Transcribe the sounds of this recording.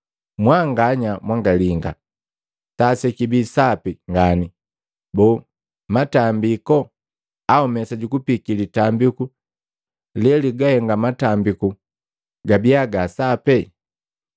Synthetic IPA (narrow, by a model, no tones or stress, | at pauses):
mwaŋɡaɲamwaŋɡaliŋɡa̰ | tasɛkibisapiŋɡani | bɔ | matambikɔ | aɔmɛsaɟukupikilitambiku | lɛliɡahɛŋɡamatambiku | ɡabiaɡasapɛ